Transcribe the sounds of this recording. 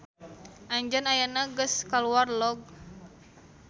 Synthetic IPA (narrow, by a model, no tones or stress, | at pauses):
ʔaɲd͡ʒanajanaɡəskaluarlɔɡ̚